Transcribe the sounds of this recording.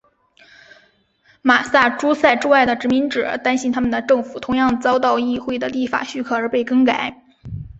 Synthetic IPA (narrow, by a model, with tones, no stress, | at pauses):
ma˨˩sa˥˩ʈ͡ʂu˥sa˥˧ɪʈ͡ʂu˥˧a˥˩ɪd̪ə˩ʈ͡ʂɻ̩˧˥mi˧˥ŋʈ͡ʂɻ̩˨˩˥t̪a˥nɕi˥nt̪ʰa˥mə˨nd̪ə˩ʈ͡ʂɤ˥˩ŋfu˨˩t̪ʰʊ˧˥ŋjɑ˥˩ŋt͡sɑ˥ʊt̪ɑ˥˧ʊi˥˧xwe˥˩ɪd̪ə˩li˥˩fa̰˨˩ɕy˥˩kʰɤ˥˩ə˞˧˥pe˥˩ɪkɤ˥ŋka˨˩˦ɪ